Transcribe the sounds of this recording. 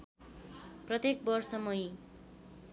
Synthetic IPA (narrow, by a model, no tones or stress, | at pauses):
prʌt̪ek̚bʌrsʌmʌj